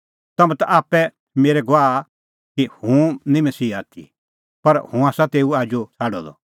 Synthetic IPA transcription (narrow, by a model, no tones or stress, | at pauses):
t̪ɐmɛ̃t̪aʔaːpːɛ | meːɾɛɡoaː | kihũnĩmɐsiːaːt̪ʰḭ | pɐɾhũaːsat̪eːuaːd͡ʒot͡sʰaːɖɔ̰d̪ɔ̰